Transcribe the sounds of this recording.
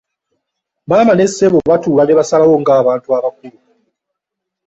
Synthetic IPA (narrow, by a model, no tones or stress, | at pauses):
maːmane̞sːeβoβatuːlaneβasalawo̞ŋɡaːβaːntuaβakuliɾo